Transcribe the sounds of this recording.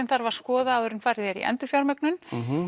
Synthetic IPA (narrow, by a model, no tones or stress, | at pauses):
ɛmθaɾvaɾ̥skɔːðaːðœɾʏnfaːɾɪðɛɾḭʔɛ̰nt̪ʏɾ̥fjawɾmœknʏn